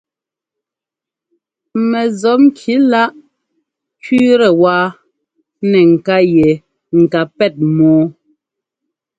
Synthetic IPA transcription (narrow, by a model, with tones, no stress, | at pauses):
mɛ˨zɔ˨˦pŋ̩˦kʰi˨˦la˦ʔ | t͡ʃɥiː˦ɾɛ˨waː˦ | nɛ˨ŋ̩˨ka˦jɛ˨ | ŋ̩˨ka˨pɛ˦˨t̚mɔː˨˦